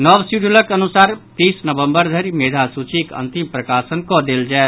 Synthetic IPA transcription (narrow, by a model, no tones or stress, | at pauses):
nəbsuɖuləkənusaːɾt̪iːsnəbəmbəɾd̪ʱəɾimed̪ʱasut͡ʃikə̰nt̪impɾəkasənkɔd̪eld͡ʒae